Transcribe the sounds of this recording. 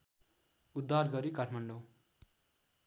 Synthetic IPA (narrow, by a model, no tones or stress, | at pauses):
ud̪ːarɡʌɾikaʈʰmʌɳɖo